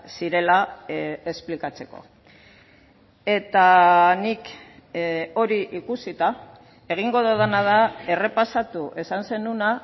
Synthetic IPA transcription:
siɾe̞lae̞splikat͡se̞ko̞̰ | e̞t̪anik | o̞ɾiʔikusit̪a | e̞ɣ̞iŋɡo̞ðoð̞anað̞ae̞re̞pasat̪uʔe̞sanse̞nuna

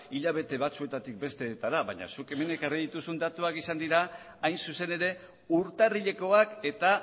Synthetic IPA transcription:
iʎaβ̞e̞t̪e̞βat͡sue̞t̪at̪ik̚be̞st̪e̞t̪aɾaβa̰ɲa̰suke̞me̞nekariðit̪usund̪at̪uakisand̪iɾaː | jnsuse̞ne̞ɾe̞ | uɾt̪ariʎe̞ko̞ake̞t̪a

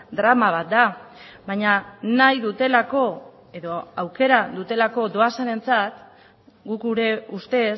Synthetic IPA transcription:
d̪ɾamaβ̞at̪̚d̪aβaɲanajðut̪e̞lako̞ | e̞ðo̞awke̞ɾaðut̪e̞lako̞d̪o̞asane̞nt͡sat̪ | ɡukuɾeust̪e̞

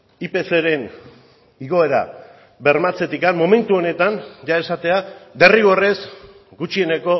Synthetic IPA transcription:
ipe̞se̞ɾe̞n | iɣo̞e̞ɾa̰ | βe̞ɾmat͡se̞t̪ikanmo̞me̞nt̪uo̞ne̞t̪anʝae̞sat̪e̞abe̞riɣo̞re̞z | ɡut͡ʃie̞ne̞ko̞

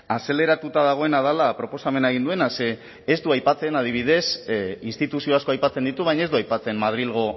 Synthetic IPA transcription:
ase̞le̞ɾat̪ut̪aðaɣ̞o̞e̞nað̞alapɾo̞po̞same̞naeɣind̪ue̞nase̞ː | zd̪uajpat͡se̞nað̞iβ̞ið̞e̞sinst̪it̪usio̞asko̞ajpat͡se̞nd̪it̪uβ̞ajɲae̞zd̪uajpat͡se̞mmað̞ɾilɣ̞o̞

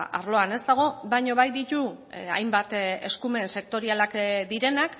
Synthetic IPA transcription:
a̰ɾlo̞ane̞zt̪aɣ̞o̞βajɲo̞βajd̪it̪ua̰jmbat̪e̞̰skume̞nse̞k̚t̪o̞ɾialakd̪iɾe̞nak

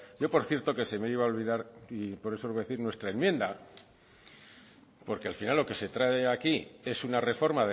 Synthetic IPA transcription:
ɟ͡ʝo̞po̞ɾθje̞ɾt̪o̞ke̞se̞meiβao̞lβiðaɾipo̞ɾe̞so̞eðe̞θiɾnwe̞st̪ɾaemje̞nd̪a | po̞ɾke̞alfinalːo̞ke̞se̞t̪ɾaeakie̞sunare̞fo̞ɾmaðe

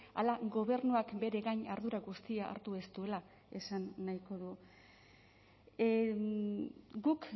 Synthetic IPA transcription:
a̰laɡo̞βe̞ɾnuakbe̞ɾe̞ɣajɲaɾðuɾaɣust̪iaʔa̰ɾt̪ue̞st̪ue̞la | e̞sanːajko̞ðu | ɡuk

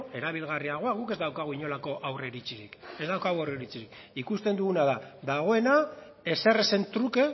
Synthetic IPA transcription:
e̞ɾaβ̞ilɣariaɣ̞o̞aɣ̞uke̞zd̪awkaɣ̞uiɲo̞lako̞ʔawreɾit͡siɾike̞zd̪awkaɣuawreɾit͡siɾik | ikust̪e̞nd̪uɣunaðad̪aɣ̞o̞e̞na | e̞se̞re̞se̞nt̪ɾuke̞

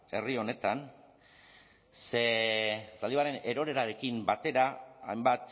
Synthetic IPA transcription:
e̞rio̞ne̞t̪an | sesald̪iβaɾe̞ne̞ɾo̞ɾe̞ɾaɾe̞kimbat̪e̞ɾaa̰jmbat̪

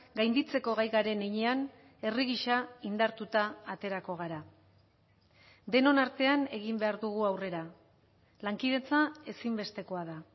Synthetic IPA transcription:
ɡajnd̪it͡se̞ko̞ɣajɣaɾe̞neɲean | e̞riɣiʃaind̪aɾt̪ut̪aːt̪e̞ɾako̞ɣ̞aɾa | d̪e̞no̞naɾt̪e̞ane̞ɣ̞imbe̞aɾðuɣ̞uawre̞ɾa | laŋkiðe̞t͡sae̞simbe̞st̪e̞ko̞aða

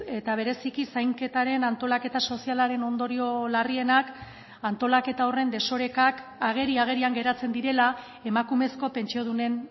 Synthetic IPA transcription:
e̞t̪aβ̞e̞ɾe̞sikisajŋke̞t̪aɾe̞nant̪o̞lake̞t̪aso̞sialaɾe̞no̞nd̪o̞ɾio̞larie̞nak | ant̪o̞lake̞t̪ao̞re̞nd̪e̞so̞ɾe̞kakaɣ̞e̞ɾiaɣ̞e̞ɾiaŋɡe̞ɾat͡se̞nd̪iɾe̞la | e̞makume̞sko̞pe̞nt͡ʃio̞ð̞une̞n

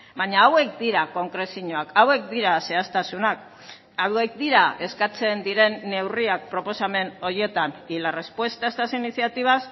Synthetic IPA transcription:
baɲaːwe̞k̚d̪iɾako̞ŋkɾe̞siɲo̞akawe̞k̚d̪iɾase̞ast̪asunak̚ | awðek̚d̪iɾae̞skat͡se̞nd̪iɾe̞nːe̞wriak̚pɾo̞po̞same̞no̞ɾje̞t̪anilarespwe̞st̪aest̪asiniθiat̪iβ̞as

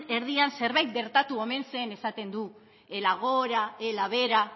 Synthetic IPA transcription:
e̞ɾð̞ianse̞ɾβajt̪̚ɡe̞ɾt̪at̪uo̞me̞nse̞ne̞sat̪e̞nd̪u | elaɣ̞oɾaelaβe̞ɾa

